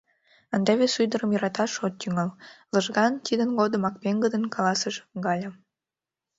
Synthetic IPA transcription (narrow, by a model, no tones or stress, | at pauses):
ənd̪ɑβesujd̪əɾəmjəɾɑt̪ɑʃot̪ːyŋɑlləʒɣɑnt̪id̪ənɡod̪əmɑk̚peŋɡəd̪ənkɑlɑsəʃɣɑlʲɑ